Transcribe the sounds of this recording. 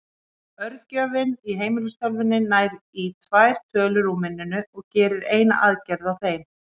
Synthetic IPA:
œɾcœːvɪniɦeːjmɪlʏst̪ɔlvɪnːɪnaːjɾit̪ʰvajɾ̥t̪ʰœːlʏɾuːmɪnːʏnʏɔɣcɛːɾɪɾeːjna̰ʔaːðcɛɾðawθejm

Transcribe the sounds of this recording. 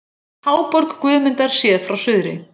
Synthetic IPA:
haːwpɔɾkkvʏːðmʏnt̪aɾ̥sjɛːðfɾawsʏðɾɪ̰

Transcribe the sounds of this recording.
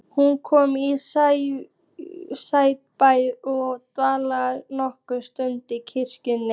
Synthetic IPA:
hunkʰɔːmisa | saːjt̚pajðɔɣt̪vaːlaɾnɔhkʏst̪ʏnt̪ɪcʰɪr̥cʏnːɪ

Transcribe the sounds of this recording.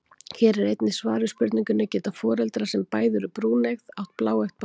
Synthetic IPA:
çɛːɾɛɾejt̪nɪsvaːɾʏspʏɾt̪niŋcʏnːacɛːt̪afɔːɾɛlt̪ɾasɛmpaːjðʏɾʏpɾuːneɣðawht̪̚plaːwɛxt̪̚p

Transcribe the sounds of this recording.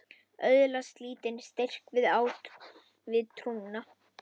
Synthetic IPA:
œðlast̪liːt̪ɪnst̪er̥kvɪðaːwt̪ | vɪðt̪ʰɾuŋna

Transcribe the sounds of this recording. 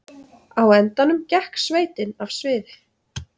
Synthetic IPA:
awɛnt̪anʏmcɛhksveːjt̪ɪnav̥svɪːðɪ

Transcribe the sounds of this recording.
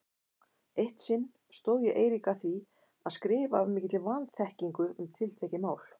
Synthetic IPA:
ejht̪sɪnː | st̪owðjɛʔeːjɾikaθvi | aðskɾɪːvavmɪːcɪt̪lɪvanθɛhciŋkʏʏmt̪ʰɪlt̪ʰɛcɪmaːwl

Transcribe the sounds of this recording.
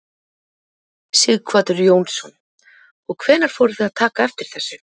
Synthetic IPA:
siɣkʰv̥aːt̪ʏɾjoːwnsːɔn | ɔɣkʰvɛːnaɾ̥fɔːɾɪθʏðaðt̪ʰaːkaɛft̪ɪɾ̥θɛsːʏ̥

